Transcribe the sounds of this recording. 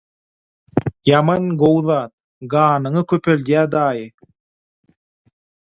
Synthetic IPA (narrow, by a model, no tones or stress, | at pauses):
jɑmɑnɡowðɑːt̪̚ | ɡɑːnɯŋɯkʲʰøpʰøld̪jæːd̪ɑːjɯ